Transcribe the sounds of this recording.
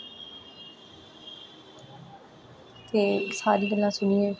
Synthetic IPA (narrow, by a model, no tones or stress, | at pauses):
t̪eːsaːɾiːɡəlːãːsʊniːɛ̃ː